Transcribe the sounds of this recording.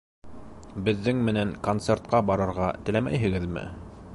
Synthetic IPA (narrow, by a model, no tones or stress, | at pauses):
bɘ̆ðːɘŋmɘ̆næŋkont̪sert̪̚qɑbɑɾɤ̆ɾʁɑt̪ɘ̆læmæ̰jɦɘ̆ɡɘðmɘ̰